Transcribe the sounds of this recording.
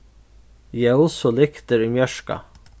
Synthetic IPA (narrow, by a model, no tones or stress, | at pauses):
jɛʊsɔlɪkt̪əɾimjœʂka̰